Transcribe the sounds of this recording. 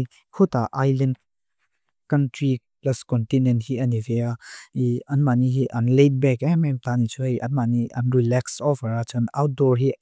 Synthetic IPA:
kʰutaʔajlɛn | kɐntɹi | plɐskɔntinɛnthiɐnivɛaiɐnmaniɦiʔɐnlejt̚bɛkɛmɛmt̪anit͡sʰuhɐjʔɐ̰nmaniʔɐ̰nɹilɛksɔvəɾat͡sɔnawt̚dɔɹɦi

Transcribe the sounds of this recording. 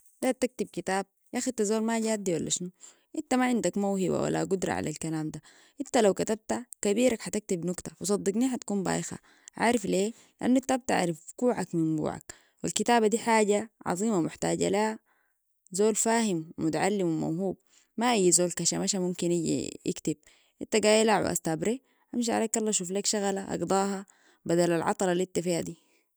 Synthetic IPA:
d̪at̪ak̚t̪ib̚kit̪aːb̚jaxid̪̚t̪azoːlmaɟaːt̪̚d̪iwalːaʃnu | ʔint̪amaʕɪnd̪akmawhiba̰wa̰lːa̰ɡud̪ɾˤɑ̰ʕa̰lalkalaːmd̪a | ʔint̪alawkat̪ab̚t̪akabiːɾakħat̪ak̚t̪ibnukt̪ḁfisˤɑd̪ˤːiɡniːħat̪ḁkuːmba̰ːʔxa̰ | ʕa̰ːɾifleː | liʔanːʔint̪aʔab̚t̪a̰ʕɾifɡ̥uːʕakmimɡṵːʕa̰k̚ | wilkit̪aːbad̪iːħaːɟaʕɑ̰zˤiːmamʊħt̪a̰ːɟa̰laha | zoːlfaːhimmut̪aʕalːimwima̰wɦuːb̚ | maʔajːzoːlkaʃamaʃamumkinʔiɟḭḭkt̪ib̚ | ʔint̪aɡaːjalaʕwḭʔa̰st̪abɾe | ʔamʃ̬iʕa̰leːkʔɑlːɑʃuːflakʃaɣalaʔɑ̰ɡd̪ˤɑːɦɑ | bad̪alalʕɑ̰t̪ˤɑlˤɑlit̪ːafihad̪iː

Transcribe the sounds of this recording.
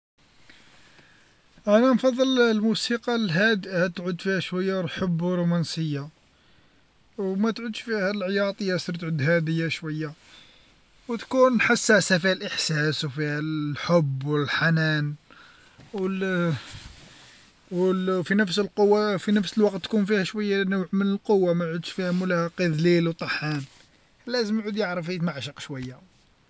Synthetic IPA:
ʔænænfɑd̪ˤːəllmusiqɑlɦæd̪hæt̪ʕud̪fihæʃwæjːalħəbːwɾumænsəjːa | wmæt̪ʕud̪ʃfihælʕjɑt̪ˤəjːæsɾt̪ʕud̪hæd̪əjːæʃwəjːa | wt̪kunħasːæʕsæfihælʔəħsæswfihælħobːwəlħanæn | wə | wfinəfsəlqowːafinəfsəlwɑqt̪ːkunfihæʃwəjːænəwʕmənəlqowːamæʕud̪ʃfihæmʊlæhæqid̪lilwt̪ˤɑħæn | læzəmʕud̪jəʕɾəfhæt̪maʕʃəqʃwæjːa

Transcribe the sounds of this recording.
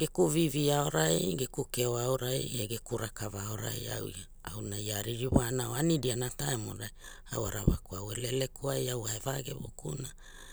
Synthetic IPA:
ɡekuviviao̞ɾajɡekukeoaoɾajeɡekuɾakavaoɾa̰ja̰wja | a̰wnajaɾiɾiβoanaoanidianataemo̰ɾaj | awa̰ɾaβa̰kuawelelekʰuajawaevaɡḛβo̰kuna

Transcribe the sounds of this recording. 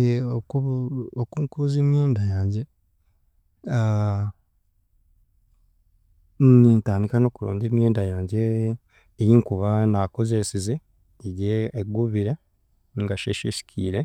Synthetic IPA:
uokuːŋkuzeːmjeːndajaːɲɟe | a | nnintaːndikano̞ːkuɾo̰ːɲɟeːmjeːndajaːɲɟeː | jiŋkuβanako̞zesize | ijeːɡuβiɾe | ŋɡaʃeʃisi̥kʰiːɾe

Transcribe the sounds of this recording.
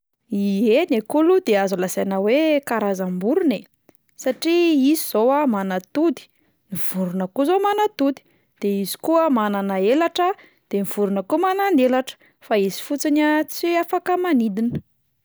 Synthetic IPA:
ienekulud̪eazulasanawekaɾazambuɾune | saʈ͡ʂiiziz̥owamanat̪ud̪i̥ | niv̥uɾunəkuzomanat̪ud̪i̥ | d̪̥eizi̥kuəmananaelaʈ͡ʂə | d̪̥emiv̥uɾunəkuəmanand̪elaʈ͡ʂə̥ | faizi̥fut͡sinat͡siafakəmanid̪inə̥

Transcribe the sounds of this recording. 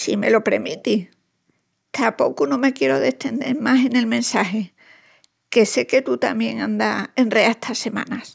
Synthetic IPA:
sime̞̰lo̞pɾe̞mit̪i | t̪ʰapo̞kunõ̞me̞kje̞ɾo̞ðe̞ht̪e̞nd̪e̞̰ɾmase̞ne̞lmẽ̞nsaɦe̞ | ke̞se̞ke̞t̪ut̪amje̞ŋãnd̪ae̞nreaeht̪ʰase̞mã̰nas

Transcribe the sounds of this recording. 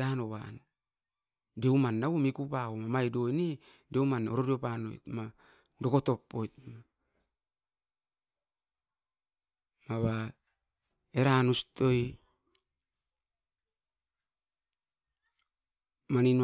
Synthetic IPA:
anoβan | deumanːawomikupaomamajdojnedewmano̰ɾodiopano̰jtma | do̞koto̞pːojt̚ma | maβa | eɾanustoj | manin

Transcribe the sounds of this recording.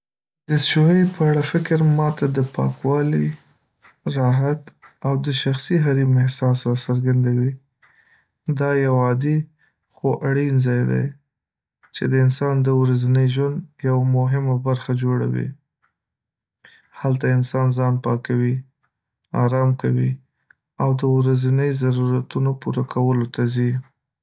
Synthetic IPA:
d̪əʃuɦəjpəaɽafɪkɾmɑt̪ad̪əpɑ̰kwɑli | ɾɑɦat̪awd̪əʃaxsiɦaɾimɪhsɑsɾasəɾɡand̪awi | d̪ɑjawɑd̪i | xoʔaɽinzɑjd̪a̰j | t͡ʃed̪əɪnsɑnd̪əwɾazanəjʒwand̪jawamʊɦɪmabaɾxad͡ʒoɽa̰wḭ | halt̪aɪnsɑnzɑnpɑkawi | ɑ̰ɾɑmkawi | awd̪əwɾazanəjzaɾuɾat̪unopuɾakʰawəlot̪azi

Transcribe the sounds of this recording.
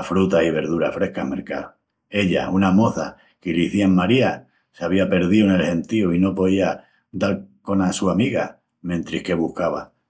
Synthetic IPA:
fɾut̪ahiβ̞e̞ɾðuɾa̰fɾe̞hkame̞ɾka̰o | e̞ʎa̰unamo̞θa | kiliθiaŋmaɾia | seaβiape̞ɾðione̞lhe̞nt̪iuino̞po̞ðia | d̪aɾko̞nasuamiɣa | mẽ̞nt̪ɾihke̞βuhkaβa

